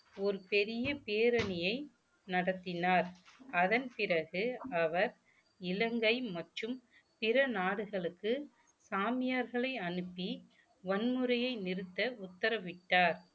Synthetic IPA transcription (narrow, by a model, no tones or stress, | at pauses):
ɔɾɯpɛɾɪjɐpeːɾɐnɪjɐɪ | nɐɽɐt̪ːɪnaːɾɐðɐnpɪɾɐɣɯɐʋɐɾ | ɪlɐŋɡɐɪmɐʈrɯm | pɪɾɐnaːɽɯɣɐɭɯkːɯ | saːmɪjaːɾɣɐɭɐɪɐnɯpːi | ʋɐnmɯɾɐjɐɪnɪɾɯt̪ːɐʊt̪ːɐɾɐʋɪʈːaːɾ